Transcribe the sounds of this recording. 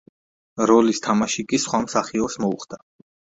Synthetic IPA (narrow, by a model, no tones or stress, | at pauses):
ɾɔlist̪ʰamaʃikʼisχwamsaχiɔsmɔṵχd̪a